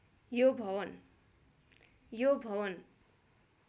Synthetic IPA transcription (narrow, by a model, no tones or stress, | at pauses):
jobʱʌwʌn | jobʱʌwʌn